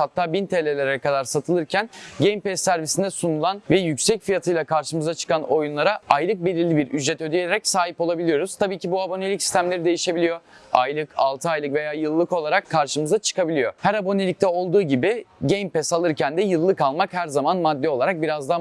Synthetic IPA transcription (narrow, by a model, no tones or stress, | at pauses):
hat̪ʰːaːbint̪ʰelʲelʲeɾɛkad̪aɾsat̪ʰɯlˠɯɾcʰænɟejmpɛsːæɾvisind̪ɛsunulˠanvɛjycsɛcfijat̪ʰɯjlˠakʰaɾʃɯmɯzat͡ʃʰɯ̥kano̞junlˠaɾaajlˠɯk̚belʲiɾlʲibiɾyd͡ʒɾɛt̪ød̪ijeeɾɛcsaːɦipolˠabilʲijo̞ɾuz̥t̪ʰabiːcʰibuabo̞nelʲicsi̥st̪ʰæmlʲe̞ɾid̪e̞jiʃe̞bilʲijo̞a̰jlˠɯkʰa̰lˠt̪ʰɯajlˠɯkve̞jaːjɯlˠːɯko̞lˠaɾakʰːaɾʃɯmɯzat͡ʃʰɯ̥kabilʲijo̞hæɾabo̞ne̞lʲic̚t̪ʰɛo̞lˠd̪uːɟibɪɟejmpɛsalˠɯɾcænd̪ɛjɯlˠːɯkalˠmakhæɾzamanmad̪ːɛo̞lˠaɾak̚biɾazd̪a